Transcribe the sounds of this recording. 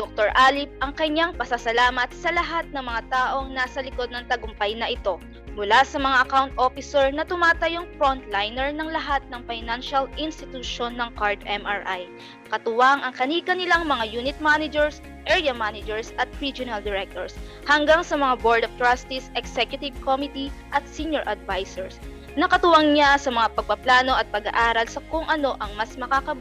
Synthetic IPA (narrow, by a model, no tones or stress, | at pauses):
d̪ok̚t̪oɹʔaːlɪp̚ɐŋkɐɲaŋpɐsasɐlaːmɐt̪̚sɐlɐɦat̪̚nɐŋmɐŋat̪aːʔo̞ŋnaːsɐlɪko̞d̪̚nɐŋt̪ɐɡʊmpɐjnɐʔɪt̪o̞ | mʊlasɐmɐŋaʔɐkawnt̪̚ʔo̞fɪsɛɹnɐt̪ʊmaːt̪ɐjoŋfɹont̪lajnɛɹnɐŋlɐɦat̪̚nɐŋfajnanʃɐlʔɪnst̪ɪt̪uʃonːɐŋkaɹd̪ɛmaɹʔaj | kɐt̪ʊwaŋʔɐŋkɐniːkɐnɪlaŋmɐŋajuːnɪt̪̚manɪd͡ʒɛɹs | ʔɛɹjɐmanɪd͡ʒɛɹsʔɐt̪̚ɾid͡ʒʊnɐld̪ɛɾɛk̚t̪oɹs | hɐŋɡaŋsɐmɐŋaboɹd̪oft̪ɹast̪ɪsɛksɛkjʊt̪ɪvkomɪt̪iʔɐt̪̚siɲjoɹʔɐd̪vajsɛɹs | nɐkɐt̪ʊwaŋɲasɐmɐŋapɐɡ̚pɐplaːno̞ʔɐt̪̚pɐɡa̰ʔaːɾɐlsɐkʊŋʔɐno̞ʔɐŋmɐsmɐkaːkɐb